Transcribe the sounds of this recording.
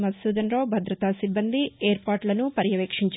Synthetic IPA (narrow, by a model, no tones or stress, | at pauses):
mɐsuːd̪ɐnɾoːbʱɐd̪ɾɐt̪asibːɐnd̪ʱieːɾpaːɾʈlɐnupɐɾjɐʋeːkʂiɲt͡ʃ